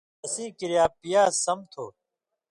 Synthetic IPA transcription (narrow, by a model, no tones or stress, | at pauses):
ɐsĩːkɪɾjaːpijaːsəmt̪ʰoː